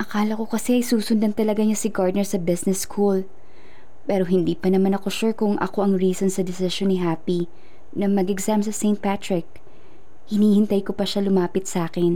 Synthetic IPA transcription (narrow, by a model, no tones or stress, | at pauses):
ʔɐkaːlɐko̞kɐsɛʔɐjsuːsʊnd̪ɐnt̪ɐlɐɡaɲasɪɡaɹd̪nɛɹsɐbɪsnɛskʰul | pɛːɾo̞ɦɪnd̪iːpɐnɐmanɐko̞ʃuɹkʊŋʔɐ̰ko̞ʔɐŋɹiːsonsɐd̪ɪsɪʃonːɪɦaːpi | nɐmɐɡɛɡsamsɐsejnt̪̚pat̪ɹɪk̚ | hɪniːhɪnt̪ajkopɐʃalʊmaːpɪt̪̚sʔaːkɛn